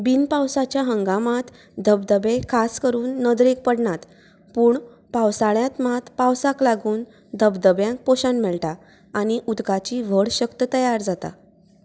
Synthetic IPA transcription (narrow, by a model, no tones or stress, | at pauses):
binpawsat͡ɕjaɦəŋɡamat̪ | d̪ʱəb̚d̪əbekʰaskəɾuːnːəd̪ɾek̚pəɽɳat̪ | puːɳ | pawsaɭjãt̪mat̪pawsaklaɡuːn | d̪ʱəbd̪əbjãŋk̚poɕanmɛɭʈaː | ɽ̃iʔud̪ɡat͡ɕiːʋəɽɕəkt̪ət̪əjaɾd͡zat̪a̰